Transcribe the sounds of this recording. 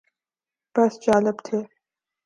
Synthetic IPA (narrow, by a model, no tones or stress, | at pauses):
b̥ɐst͡ʃaːləbt̪ʰeː